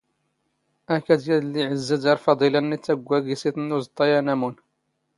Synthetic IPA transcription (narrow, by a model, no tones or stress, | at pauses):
ækæd̪jæd̪lːiʕəzːæd̪ɑɾfɑd̪ˤilanːit͡sːæɡʷːæɡisiθnːuzt̪ˤːɑjænæmun